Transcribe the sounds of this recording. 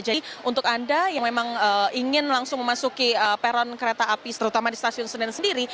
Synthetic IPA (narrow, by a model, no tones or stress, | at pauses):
d͡ʒaʔunt̪ʊkandajaŋmemaŋəiŋɪnlaŋsʊŋməmasukiəpeɾɔnkəɾet̪aːpist̪əɾut̪amadist̪asiʊnsənɪnsəndiɾi